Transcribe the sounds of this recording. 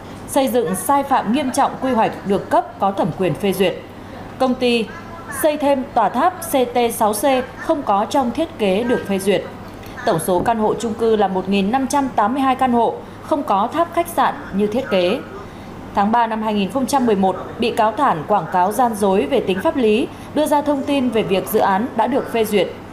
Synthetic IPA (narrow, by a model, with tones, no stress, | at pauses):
sə˧jzɨ̰˧˨ŋsaː˧jfa̰ː˧˨mŋi˧əmt͡ɕɔ̰˧˨wŋ͡mkwi˧ɦwa˨˩jk̟̚ɗɨ˨˩əkːə˦˥p̚kɔ˨˦t̪ʰə˧˩mkwi˨˩ənfe˧zwi˨˩ət̚ | kə˧wŋ͡mt̪i˧ | sə˧jt̪ʰe˧mt̪waː˧˩t̪ʰaː˦˥p̚se˧t̪e˧sa˨˦wse˧xə˧wŋ͡mkɔ˨˦t͡ɕɔ˧wŋ͡mt̪ʰi˦˥ət̚ke˨˦ɗɨ˨˩ək̚fe˧zwi˨˩ət̚ | t̪ə˧˩wŋ͡mso˨˦kaː˧nho̰˧˨t͡ɕʊ˧ŋ͡mkɨ˧laː˨˩mo˨˩t̚ŋi˨˩nːa˧mt͡ɕa˧mt̪aː˨˦mːɨ˧əjɦaː˧jkaː˧nho̰˧˨ | xə˧wŋ͡mkɔ˨˦t̪ʰaː˦˥p̚xa˦˥k̟̚sa̰ː˧˨nɲɨ˧t̪ʰi˦˥ət̚ke˨˦ | t̪ʰaː˨˦ŋɓaː˧na˧mhaː˧jŋi˨˩nxə˧wŋ͡mt͡ɕa˧mːɨ˨˩əjmo˨˩t̚ɓḭ˧˨kaː˨˦wt̪ʰaː˧˩nkwaː˧˩ŋkaː˨˦wzaː˧nzo˨˦jve˨˩t̪ï˨˦ŋ̟faː˦˥p̚li˨˦ | ɗɨ˧əzaː˧t̪ʰə˧wŋ͡mt̪i˧nve˨˩vi˨˩ək̚zɨ̰˧˨ʔaː˨˦nɗa̰ː˧˥ɗɨ˨˩ək̚fe˧zwi˨˩ət̚